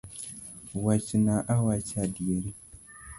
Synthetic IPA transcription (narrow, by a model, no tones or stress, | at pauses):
wat͡ʃinaʔawat͡ʃʰadieɾi